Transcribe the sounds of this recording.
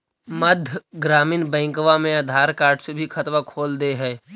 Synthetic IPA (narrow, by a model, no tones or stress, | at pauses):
məd̪ʱjɡɾaːmiːnbɛ̃ːŋkʋamẽɐd̪ʱaːɾkaːɾɖsebʱikʰɐt̪ʋakʰoːld̪eɦɛː